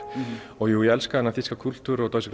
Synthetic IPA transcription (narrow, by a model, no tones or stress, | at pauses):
ɔɣjuːiɛlskaðɛnːaθiskakʰul̥t̪uɾɔt̪oɥsɪk